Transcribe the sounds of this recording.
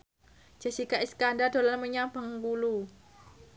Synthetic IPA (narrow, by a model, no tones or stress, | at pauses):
d͡ʒ̥asikaʔiskandadolanməɲabaŋɡulu